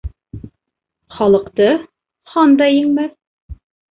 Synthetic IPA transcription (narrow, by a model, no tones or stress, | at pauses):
χɑlˠɤ̆qt̪ɤ | χɑnd̪ɑjɘ̆ŋmæθ